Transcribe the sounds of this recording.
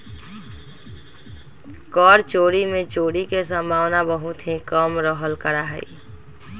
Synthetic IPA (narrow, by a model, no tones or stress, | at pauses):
kɔɾt͡ʃoɽimẽt͡ʃoɽikesə̃mbʱawnabəɦut̪ɦẽkəmɾəɦəlkəɾaɦə̰i